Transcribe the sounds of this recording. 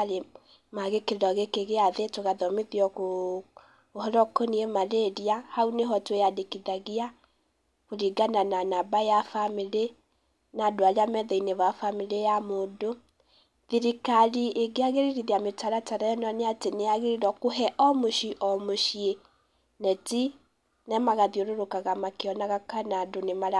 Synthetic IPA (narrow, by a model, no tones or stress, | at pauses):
le | maɣekeðɔɣekeɣeaðetoɣaðɔmeðiɔko | hɔɾɔkɔniemaðeɾiahauneɦɔtwejadekiðaɣia | koɾiɡanananabajafamiɾe | nadoaɾeamɛðɛineβafamilejamoːdo | ðiɾikalieɡeaɣeɾiɾiðeametaɾataɾɛnɔneateneaɣeɾiɾɔkoɦɛʔɔmoʃiʔɔmoʃie | nɛti | nɛmaɣaðioɾoɾokaɣamakeɔnaɣakanadonemaɾa